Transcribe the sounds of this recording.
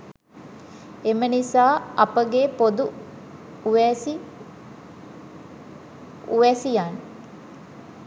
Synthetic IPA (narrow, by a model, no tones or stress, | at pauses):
emənisaːɐpəɡepod̪u | ʋɛsi | uʋɛsijan